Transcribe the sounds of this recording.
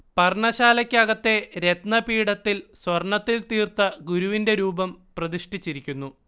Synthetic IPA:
pɐrɳɐɕaːlɐkʲːɐɣɐt̪ːe̞ɾe̞t̪nɐpiːɽɐt̪ːilswɐrɳɐt̪ːilt̪iːrt̪ɐɡuɾuʋinde̞ɾuːbɐmprɐðiʂʈit͡ɕːiɾikʲːunːu

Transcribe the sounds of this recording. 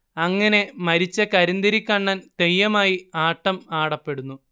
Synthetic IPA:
ɐŋːɐne̞mɐɾit͡ɕːɐkɐɾind̪ɐɾikʲːɐɳːaːnt̪ejːɐmaːjiaːʈːɐmaːɽɐpːe̞ɽunːu

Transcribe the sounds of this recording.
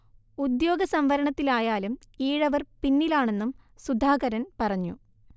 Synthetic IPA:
ud̪jo̞ːɡɐsɐmʋɐɾɐɳɐt̪ːilaːjaːlum | iːɻɐʋɐrpinːilaːɳe̞nːumsud̪ʱaːɣɐɾɐnpɐrɐɲːṵ

